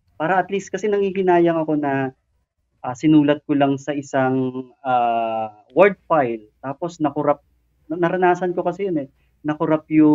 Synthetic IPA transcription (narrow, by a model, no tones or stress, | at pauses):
paːɾɐʔɐt̪list̪̚kɐsɛnɐŋhiːhɪnaːjɐŋɐko̞nɐ | ʔaːsɪnuːlɐt̪̚kolɐŋsɐʔɪsaŋaː | wɛɹd̪̚fajlt̪aːpo̞snɐkʊɾap̪̚ | nɐɾɐnaːsɐnko̞kɐsɛjonɛ | nɐkʊɾap̚jʊ